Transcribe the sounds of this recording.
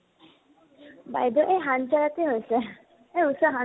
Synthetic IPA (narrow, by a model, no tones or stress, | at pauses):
ba̰jd̪ɔʔejɦant͡ʃalat̪iɦojsɛ | eusaɦa